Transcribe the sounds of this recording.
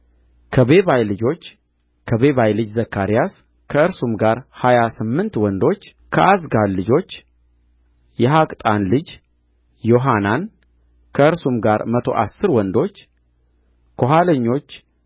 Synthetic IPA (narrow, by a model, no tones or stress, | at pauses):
kʰəβe̞βajlɨd͡ʒo̞t͡ʃː | kʰəβe̞βajlɨd͡ʒzəkʰːaɾijas | kʰəɨɾsumɡaɾhajasɨmːɨnt̪wɔnd̪o̞t͡ʃː | kʰəʔasɡalːɨd͡ʒo̞t͡ʃː | jɛɦakʼt̪ʼanlɨd͡ʒ | jo̞ɦanan | kʰəɨɾsumɡaɾmət̪ʰo̞̰ʔasːɨɾwɔnd̪o̞t͡ʃː | kʰoɦaləɲːo̞t͡ʃː